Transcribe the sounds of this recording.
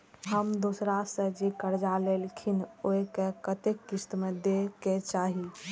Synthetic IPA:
ɦəmd̪osɾasə̃d͡ʒekəɾd͡ʒalelkʰinoekekət̪ekːist̪med̪eket͡ʃaɦi

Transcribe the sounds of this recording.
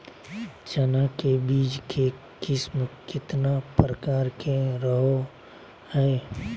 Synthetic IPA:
t͡ʃənakebiːd͡ʒkʰe | kɪsmkɪt̪napɾəkaːɾkʰeɾəɦo | hɛː

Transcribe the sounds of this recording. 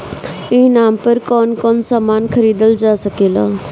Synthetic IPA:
ɪnaːmpəɾkɔːnkɔːnsaːmaːnkʰəɾiːd̪əld͡ʒaːsəkeːla̰ː

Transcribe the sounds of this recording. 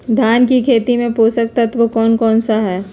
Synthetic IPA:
d̪ʱjaːnkikʰeːt̪imẽpoːsək̚t̪ɐt̪ʋokɔːnkɔːnsaɦɛː

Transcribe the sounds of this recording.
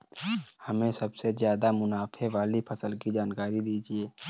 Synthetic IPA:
hɐmẽsɐbsezjaːd̪amʊnaːpʰeʋaːlipʰɐsəlkid͡ʒaːnkaːɾid̪iːd͡ʒieː

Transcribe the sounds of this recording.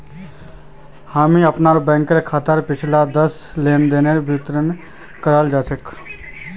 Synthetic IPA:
haːmiəpnaːɾobɛ̃ːŋkɾekʰaːt̪əɾpɪt͡ʃʰlad̪əsleːnd̪eːneɾbʱɪt̪ɾən | kəɾaːld͡ʒaːt͡ʃək

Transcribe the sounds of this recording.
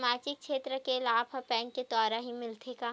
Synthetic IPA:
maːt͡ʃɪk̚t͡ʃʃʰeːt̪ɾəkelaːbʰɐpɛ̃ːŋkːed̪ɔːɾaɦimɪlt̪ʰeːkaː

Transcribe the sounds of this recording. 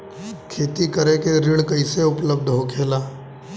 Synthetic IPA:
kʰeːt̪ikəɾekeɾɪɽkəiseʊpləb̚d̪ʱɦokʰeːlaː

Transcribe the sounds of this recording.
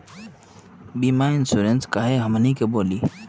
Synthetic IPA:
biːmaːɪnsuːɾenskaːɦeɦəmnikeboːliː

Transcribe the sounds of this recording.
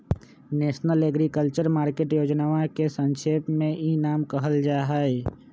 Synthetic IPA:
neːʃnəleɡɾikəlt͡ʃəɾmaːɾkeːʈjoːd͡ʒnaːʋãkesə̃ŋʃeːpmẽʔinaːmkəɦəld͡ʒaːɦɛe

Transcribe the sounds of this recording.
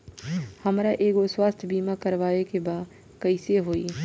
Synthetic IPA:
hɐmɾaʔeːkoswaːst̪ʰjbiːmakɐɾʋaːekebaːd | kɐiseɦoːiː

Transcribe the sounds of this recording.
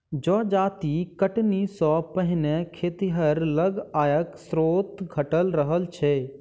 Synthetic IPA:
d͡ʒɔːd͡ʒaːt̪ikəʈnisɔ̃pəɦɪnɛkʰeːt̪iɦəɾləɡaːjəksɾoːt̪ɡʱəʈəlɾəɦəlt͡ʃʰe

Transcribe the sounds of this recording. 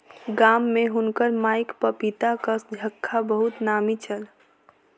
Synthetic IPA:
ɡaːmːẽɦʊnkəɾmaːɪkpəpit̪akəsd͡ʒʱəkʰːabəɦʊt̪naːmit͡ʃəl

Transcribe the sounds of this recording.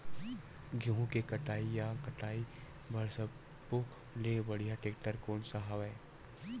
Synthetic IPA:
ɡʱjũːɦũkekɐʈaːijakɐʈaːi | bʱəɾsəb | ko | leːbɐɽ̤ijaʈeːk̚ʈəɾkoːnsaɦaʋɛː

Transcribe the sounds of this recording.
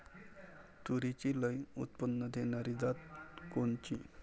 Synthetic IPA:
t̪uɾit͡ɕiləjṵt̪̚pənːəd̪ʱenaɾid͡zat̪kont͡ɕi

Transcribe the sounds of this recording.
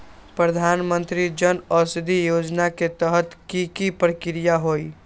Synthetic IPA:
pɾəd̪ʱanmənt̪ɾid͡ʒənəsd̪ʱijod͡ʒnaket̪əɦət̪kikipɾəkɾijaɦoj

